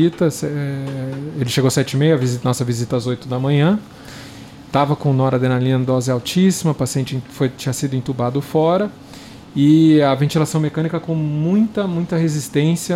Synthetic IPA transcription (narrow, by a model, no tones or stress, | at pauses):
it̪ɐsɛelɪʃeɡowsɛt͡ʃɪimejʊɐvizinɔsɐvizit̪ɐazojt̪ʊd̪ɐmɐ̃ɲɐ̃ | t̪avɐkõnɔɾɐd̪enalĩɐ̃nd̪ɔzɪawt͡ʃisimɐpasiẽnt͡ʃɪẽfojt͡ʃĩɲɐsid̪ʊẽnt̪ubad̪ʊfɔɾɐ | ɪɐvẽnt͡ʃilasɐ̃w̃mekɐ̃nikɐkõw̃mũj̃t̪ɐmũj̃t̪ɐɦezist̪ẽsjɐ